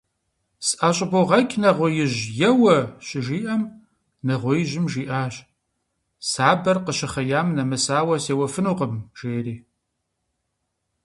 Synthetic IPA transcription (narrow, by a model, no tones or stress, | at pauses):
sʔaːɕʼɪboʁɐkʰʲʼnɐʁʷʊjɪʑjɛwɐɕɪʒiːʔɐm | nɐʁʷʊjɪʑɪmʒiːʔaːɕ | saːbɐrqəɕɪχɐjaːmnɐmɨsaːwɐseːwɐfɨnuːqəmʒ̥eːriː